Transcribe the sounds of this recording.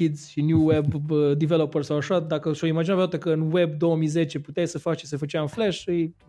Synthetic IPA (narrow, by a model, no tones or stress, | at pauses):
kid̪z̥ʃinjuwebəd̪ivelopərsawaʃad̪akəʃoimad͡ʒinaveat̪ekəɨnwe̞b̚d̪o̞wəmijze̞t͡ʃeput̪ejsəfat͡ʃt͡ʃesefət͡ʃeaɨnfleʃɨj